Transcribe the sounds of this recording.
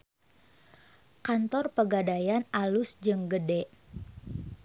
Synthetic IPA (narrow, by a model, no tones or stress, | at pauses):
kant̪ɔrpəɡadajanalʊsd͡ʒɨŋɡədɛʔ